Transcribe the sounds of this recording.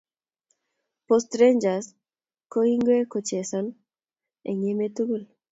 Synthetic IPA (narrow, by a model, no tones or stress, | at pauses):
pɔst̪ɾeɲd͡ʒas | koiŋɡwekot͡ʃesɔn | ḛŋemet̪uɡul